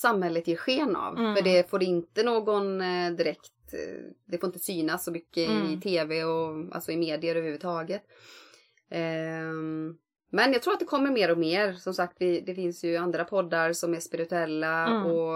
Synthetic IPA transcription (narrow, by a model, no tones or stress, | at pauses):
samhɛlːət̪jɪɾɧeːna̰vfœɖɛfoːɖɛɪnt̪ənoːɡɔnd̪ɪɾɛkt̪d̪ɛfoːɾɪnt̪ə̥syːnasːɔmʏkːəɪt̪ʰeːvɛɔa̰lsɔɪmeːd̪ɪəɾœːvɾhʉvət̪ʰɑːɡət̪ | mɛnjaɡt̪ʰɾuːɾt̪d̪ɛkʰɔmːəɾmeːɾɔmeːɾsɔmsak̚t̪vɪd̪ɛfɪnsjɵand̪ɾapʰɔd̪ːaɾsɔmæʂpɪɾɪt̪ɵɛlːaɔ